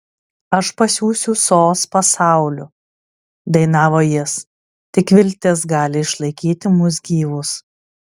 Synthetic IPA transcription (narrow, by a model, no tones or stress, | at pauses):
ɐʃpɐsʲuːsʲʊsoːspɐsɑˑʊlʲʊ | d̪ɐɪnɑːʋoːjɪs | t̪ʲɪkʋʲɪlʲt̪ʲeːsɡɑːlʲɪɪʃlˠɐɪkʲiːt̪ʲɪmʊs̬ɡʲiːʋʊs